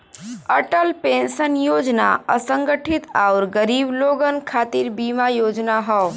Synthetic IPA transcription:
əʈəlpẽːnʃənjoːd͡ʒna̰əsə̃ŋɡəʈʰɪt̪aʊɾɡəɾiːbloːɡənkʰaːt̪iɾbiːmajoːd͡ʒnaɦɔː

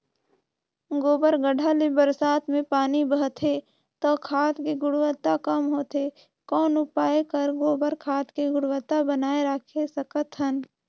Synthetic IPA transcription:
ɡoːbəɾɡəɖʱalebəɾsaːt̪ʰmẽpaːnibəɦt̪ʰɦe | t̪okʰaːt̪kiɡʊɽwət̪akəmɦoːt̪e | kɔːnʊpaːekəɾɡoːbəɾkʰaːt̪kiɡʊɽwət̪abənaːeɾakʰesəkət̪ɦən

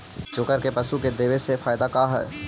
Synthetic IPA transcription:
d͡ʒoːkəɾkepɐʃuked̪eːʋesefaːɪd̪akaɦɛ̰ː

